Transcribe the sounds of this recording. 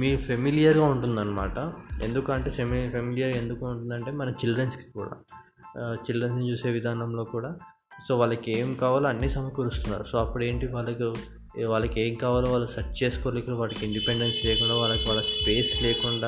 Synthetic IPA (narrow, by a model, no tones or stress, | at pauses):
miːɾupʰemilijɐɾɡaːuɳʈund̪ɐnːɐmaːʈɐe̞̰nd̪ukːɐɳʈeːempʰemilijɐɾe̞nd̪ukuːuɳʈund̪ɐɳʈe̞ːmɐnɐt͡ʃilɖɾɐnski̥kṵːɽa̰ː | t͡ʃilɖɾensnit͡ʃuːse̞ːʋid̪ʱaːnɐmlo̞ːkuːɽaː | so̞ːʋaːɭːɐkeːmkaːʋaːluɐnːisɐmɐkɐɾust̪unːa̰ːɾusoːɐpːuɽe̞ːɳʈiʋaːɭːɐku | ʋaːɭːɐkeːmkaːʋaːloʋaːɭːɐsɐʈt͡ʃe̞ːsu̥koːɾlikːɐɽʋaːlːɐkiɳɖipeɳɖensleːkuɳɖaːʋaːɭːɐkiʋaːɭːɐspe̞ːsle̞ːkuɳɖaː